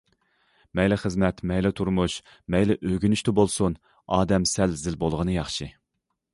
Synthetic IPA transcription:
mɛjlɪχəzmɛt̪mɛjlɛt̪ʰuɾmuʃ | mɛjlɛʔøɡʲynyʃt̪ɪbolˠsun | ɑːd̪ɛmsɛlzɪlbolˠʁənɨjɑχʃɨ

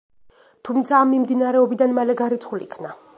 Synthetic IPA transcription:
t̪ʰumt̪sʰaːmːimd̪inaɾɛɔbid̪anmalɛɡaɾit̪sʰχulḭkʰvna

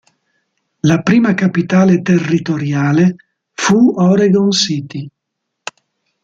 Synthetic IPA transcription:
lapɾiːmakapit̪aːlet̪erːit̪oɾjaːle | fuɔɾeɡɔnsit̪i

